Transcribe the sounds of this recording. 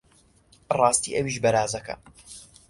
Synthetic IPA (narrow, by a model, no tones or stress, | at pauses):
rˤɑːst̪iːʔɐwiːʃbɐɾaːzɐkɐ̰